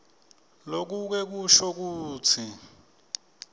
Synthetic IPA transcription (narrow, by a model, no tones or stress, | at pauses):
lok̬uk̬wɛk̬uʃɔk̬uːt͡sʰi